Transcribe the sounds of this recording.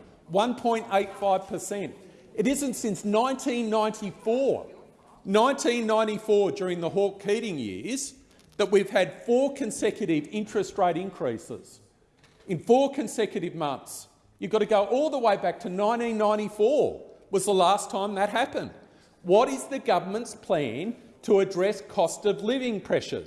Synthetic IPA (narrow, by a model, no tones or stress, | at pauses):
wʌ̃npʰɔ̃ɪ̃nteɪtfaɪv̥pʰə˞sɛ̃nt | ɨɾɪzɨ̃ntsɪ̃nsnãɪ̃ntʰĩnːãɪ̃ntʰifɔɹ | nãɪ̃ntʰĩnːãɪ̃ɾ̃ifɔɹd͡ʒʊɹɪ̃ŋðəɦɔɹkʰiɾɪ̃ŋjɪ̰ɹz̥ | ðət̚wiv̥ɨd̥fɔɹkʰɨ̃nsɛkjɨɾɪvɪ̃nt͡ʃɹ̥ɨst̚ɹeɪɾɪ̃nkʰɹ̥isɪ̰z̥ | ɨ̃nfɔɹkʰɨ̃nsɛkjɨɾɨvmʌ̃nθs | jɨvɡɑɾɨɡoʊʔɔlˠðəweɪbæk̚tʰɨnãɪ̃ntĩnːãɪ̃ɾ̃ifɔɹwʌzðəlæstʰãɪ̃mðɨt̚ɦæpɨ̃nd̥̚ | wʌɾɪzðɨɡʌvə˞mɨ̃ntspʰl̥æ̃ntʰəɨdɹɛskʰɔstʌvlɪvɪ̃ŋpʰɹ̥ɛʃə̰˞